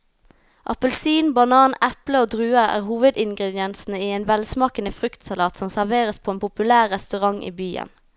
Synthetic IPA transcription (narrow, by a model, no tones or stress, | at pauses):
ʔɑ̰pəlsiːnbɑnɑːnɛpləoːd̪ʁʉːəʁæ̰ːʁhuːʋəd̪ɪŋɡʁɛd̪ɪɛnsn̩əiːeːnʋɛlsmɑːkənəfʁʏkt̪sɑlɑːt̪sɔmsæʁʋeːʁəspʰoːeːnpʰʊpʉlæːʁːɛst̪ʉʁɑŋʔḭːbyːə̰n